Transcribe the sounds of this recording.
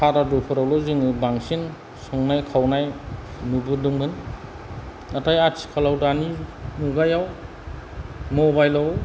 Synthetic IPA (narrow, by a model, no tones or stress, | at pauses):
pʰaɾadupʰɔɾawlɔzɯŋɯbaŋsin | sɔŋnajkʰawnajnubɯdɯŋbɯn | natʰajat͡ʃʰi̥kʰalawdaninuɡajaw | mɔbajlaw